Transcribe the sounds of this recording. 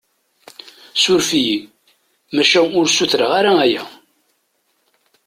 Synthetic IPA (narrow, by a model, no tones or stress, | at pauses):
sʊɾfiji | mæʃæʊɾsuθɾəʁaɾaæjæ